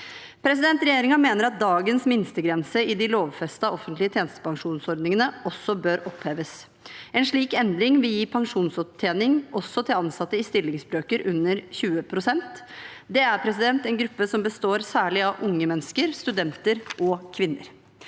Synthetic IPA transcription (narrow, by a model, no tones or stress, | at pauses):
pʰɾɛsɪd̪ɛnt̪ɾɛjeːɾɪŋɑmeːnəɾɑt̪̚d̪ɑːɡənsmɪnst̪əɡɾɛnsəɪd̪ɪloːʋfɛst̪ɑɔfənt̪lɪət̪ʰjeːnəst̪ə̥pʰɑŋʂuːnsɔɾɖ̪nɪŋənəɔsːɔbøːɾʔɔpheːʋəs | ɛnʂɭiːkɛnd̪ɾɪŋʋɪljiːpʰɑŋʂuːnsɔt̪ʰjeːnɪŋʔɔsːɔt̪ʰɪlɑnsɑt̪ːəɪst̪ɪlːɪŋsbɾøːkəɾʔʉnːəɾçʉːəpʰɾʊsɛnt̪d̪ɛæɾpʰɾɛsɪd̪ɛnt̪ɛnɡɾʉpːəsɔmbəst̪oːɾsæːɭɪɑʋʔʊŋːəmɛnːəskəɾst̪ʉd̪ɛnt̪əɾʔɔkʰʋɪnːə̰ɾ